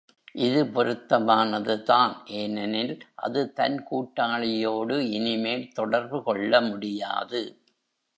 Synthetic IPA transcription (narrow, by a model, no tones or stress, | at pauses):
ʔɪðɯpɔɾɯt̪ːɐmaːnɐðɯt̪aːnʔeːnɐnɪlʔɐ̰ðɯt̪ɐnkuːʈːaːɭɪjoːɽɯɪnɪmeːlt̪ɔɽɐɾbɯkɔɭːɐmʊɽɪja̰ːðɯ